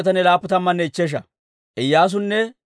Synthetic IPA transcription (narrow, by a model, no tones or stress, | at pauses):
t̪ɐnɛlaːpːʊt̪ɐmːɐnːɛɪt͡ʃːɛʃ̬ɐ | ʔɪjːaːs̬ʊnːɛ